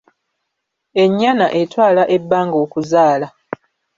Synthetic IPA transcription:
e̞ɲːanaʔe̞twaːlaʔebːaːŋɡoːkuzaːla

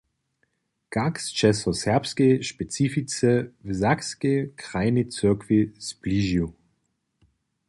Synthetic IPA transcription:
kakst͡ʃɛsɔsɛɐpskɛʃpɛt͡sifit͡sɛvzakskekʁ̥aɪnit͡søɐkvispliːʒu

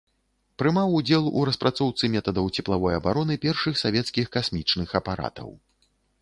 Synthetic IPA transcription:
pɾɨmawud͡zʲɛlˠṵɾɐspɾat̪sɔwt̪sɨmʲɛt̪ɐd̪ɐwt͡sʲɛplˠavɔjɐbaɾɔnɨpʲɛrʂɨxsavʲɛt̪skʲixkasmʲit͡ʂnɨxɐpaɾʔa̰t̪ɐ̰w

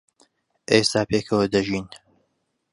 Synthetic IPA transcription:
ʔest̪aːpʰeːkʰɐwɐd̪ɐʒiːn

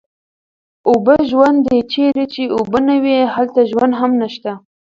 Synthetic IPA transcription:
obəʒwand̪d̪et͡ʃeɾet͡ʃeobənawehalt̪aʒwand̪ɦamnaʃt̪a

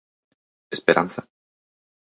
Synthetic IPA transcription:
espeɾʔa̰nθa

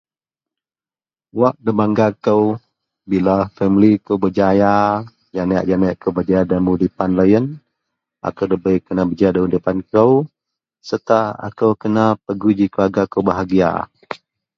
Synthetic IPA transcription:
waʔ̚dəbaŋɡakəw | bilafɛmlikəwbəd͡ʒaja | d͡ʒanaja̰ʔd͡ʒanajaʔkəwbəd͡ʒajadəmudipanləjən | ʔa̰kəwdəbəjkənabəd͡ʒajadamudipankəw | sət̪aa̰kəwkənapəɡud͡ʒikəaɡakəwbaɦaɡia̰

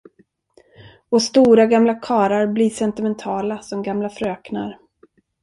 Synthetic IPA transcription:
ɔst̪uːɾaɡamlakʰɑːɾaɾbliʂɛnt̪ɪmɛnt̪ʰɑːlasɔmɡamlafɾøːkna̰ɾ

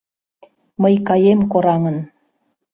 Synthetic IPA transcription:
məjkɑjemkoɾɑŋə̆n

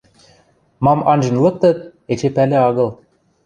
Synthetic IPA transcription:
mɑmɑnʒɤ̆nlˠɤ̆k̚t̪ɤt̪̚et͡ɕepælɘ̆ɑɣɤ̆lˠ

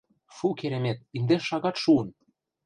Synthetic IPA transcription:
ʃukeɾʲemʲet̪̚ind̪eʃɑɣɑt̪ʃuɤ̆n

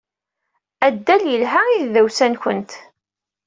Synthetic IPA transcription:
æd̪ːæljəlɦæiððæwsænçənt̪

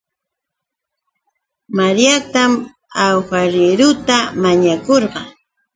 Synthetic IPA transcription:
maɾjat̪am | awxaɾɪɾʊt̪amaɲakoɾɢɑ

